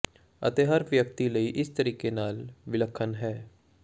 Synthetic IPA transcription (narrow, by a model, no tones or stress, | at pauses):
ə̰t̪eɦəɾʋjəkt̪ilɐiʔɪst̪əɾiːkenaːlʋɪləkʰːənɦɛː